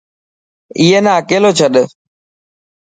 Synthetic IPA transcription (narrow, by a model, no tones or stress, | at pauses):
iːeːnaːəkeːloːt͡ʃʰəɗ